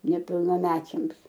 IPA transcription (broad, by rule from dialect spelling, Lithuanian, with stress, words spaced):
nʲɛpʲɪlˠnɐˈmʲæːt͡ʃʲɛms